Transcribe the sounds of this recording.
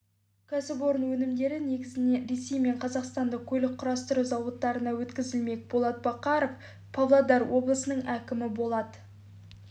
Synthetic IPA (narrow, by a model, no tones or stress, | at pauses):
kʲʰæsɪpo̞ɾənwɵnɪmd̪e̞ɾɪne̞ɡʲɪzɪne̞ɾe̞sːe̞jme̞ɴqʰɑzɑqst̪ɑnd̪əkʲʰɵlɪk̚qʰːʊɾɑst̪əɾuzɑwət̪ːɑɾənɑwɵt̪kʲɪzɪlme̞k̚ʲbo̞lˠɑt̪̚bɑqɑɾof | pʰavlˠad̪ɑɾwo̞blˠəsənəɴækʲɪmɪbo̞lˠɑd̪ə